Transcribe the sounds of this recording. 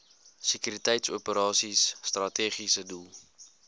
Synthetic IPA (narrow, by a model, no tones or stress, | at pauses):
sekyɾitɛjtsṵəpəɾɑːsisːtrɐteːχisədulˠ